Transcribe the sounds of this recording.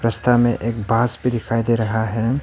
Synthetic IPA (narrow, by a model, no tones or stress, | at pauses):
ɾɐst̪ʰamẽʔeːk̚baːsbʱid̪ɪkʰaːid̪eːɾɐɦaɦɛ